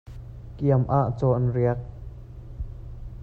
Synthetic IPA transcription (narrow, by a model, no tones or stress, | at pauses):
kiəmʔaʔt͡sɔːʔɐnriək̚